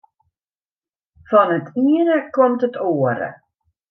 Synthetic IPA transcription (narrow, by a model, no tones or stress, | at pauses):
fɔnətʰiənəkɔmtətoːəɾə̰